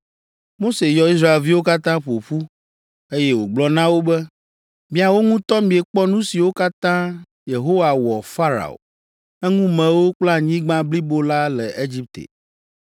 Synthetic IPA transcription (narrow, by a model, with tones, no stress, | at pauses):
mo˦se˨jɔ˨i˦s̬ɾa˦e˨lvi˦wo˦ka˦t̪ã˦ɸo˨ɸu˦ | e˦jɛ˦wo˨ɡ͡blɔ˨nã˦wo˦bɛ˦ | mĩ˦a˨wo˦ŋũ˦t̪ɔ˦mĩ˨e˨k͡pɔ˦nũ˦si˨wo˦ka˦t̪ã˦ | je˨ɦo˦wa˨wɔ˨fa˦ɾa̰˨o̰˨ | ɛ˦ŋũ˦mɛ̃˨wo˦k͡pla˦˨ɲĩ˦ɡ͡bã˦bli˦bo˦la˦lɛ˨ʔe˦d͡ʑi˦p̚t̪ḛ˨